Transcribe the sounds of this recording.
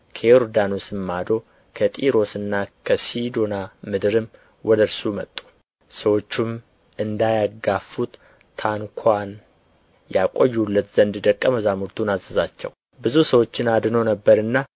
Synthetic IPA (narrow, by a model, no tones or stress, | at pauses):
kʰəɾd̪anosɨmːad̪o̞ | kʰət̪ʼiɾo̞sɨnːakʰəsid̪o̞namɨd̪ɨɾɨm | wʔɔd̪əɾsumə̰t̪ʼːu̥ | səwo̞t͡ʃːum | ɨnd̪ajaɡafut̪ʰː | aŋkʰʷan | jakʼojːulːət̪z̥ənd̪d̪əkʼːəməzamuɾt̪ʰunazəzat͡ʃːɛ̰w | bɨzusəwot͡ʃːɪnad̪ɨnonəbːəɾɨnːa